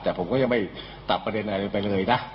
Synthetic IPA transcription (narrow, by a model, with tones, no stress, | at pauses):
t̪ɛː˨˩pʰo˩˦mkɔː˥˩ja˧ŋma˥˩j | t̪a˨˩ppːɾa˧de˧nʔa˧˩˧pa˧jlɤː˧jna˦˥